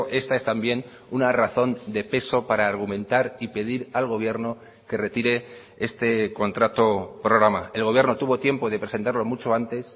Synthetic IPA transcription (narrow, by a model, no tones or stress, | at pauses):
ʔe̞st̪ae̞st̪ambje̞n | unaraθo̞nd̪e̞pe̞so̞paɾaːɾɣ̞umẽ̞nt̪aɾipe̞ð̞iɾalɣ̞o̞β̞je̞ɾno̞ | ke̞re̞t̪iɾe̞ | e̞st̪e̞ko̞nt̪ɾat̪o̞pɾo̞ɣ̞ɾamae̞lɣoβjɾno̞t̪uβo̞t̪je̞mpo̞ðe̞pɾese̞nt̪aɾlo̞mut͡ʃo̞ant̪e̞s